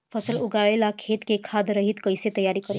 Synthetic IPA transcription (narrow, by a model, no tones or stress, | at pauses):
fʰəsəluɡaɭelakʰet̪kekʰad̪ɾəɦit̪kəjset̪əjaɾikəɾe